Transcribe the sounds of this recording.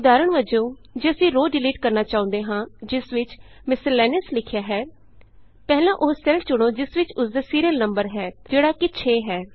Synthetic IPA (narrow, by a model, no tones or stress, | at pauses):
ʊd̪aːɾəɳʋəd͡ʒõːd͡ʒeəsĩːɾoːɖɪliːʈkəɾnaːt͡ʃaːʊ̃ːnd̪eːɦãːd͡ʒɪsʋɪt͡ʃ | mɪsəlɛːnɪslɪkʰjaːɦɛː | pɛːlãːʔʊːsɛlʈt͡ʃʊɽ̃õːd͡ʒɪsʋɪt͡ʃʊsd̪aːsiːɾiəlnəmbəɾɦɛːd͡ʒeːɽaːkɪt͡ʃʰeːɦɛː